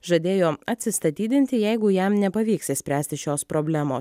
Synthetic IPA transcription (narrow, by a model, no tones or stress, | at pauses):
ʒɐd̪ʲeːjoːɐt̪ʲsʲɪst̪ɐt̪ʲiːd̪ʲɪnʲt̪ʲɪjɛɪɡʊjæmnʲɛpɐʋʲiːksɪsʲpʲɾʲæːsʲt̪ʲɪʃʲoːspɾoːbʲlʲæːmoːs